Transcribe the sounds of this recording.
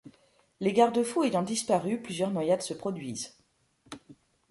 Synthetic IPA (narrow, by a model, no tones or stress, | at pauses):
leɡaʁd̪əfuejɔ̃d̪ispaʁyplyzjœʁnwajad̪səpχɔd̪ɥiz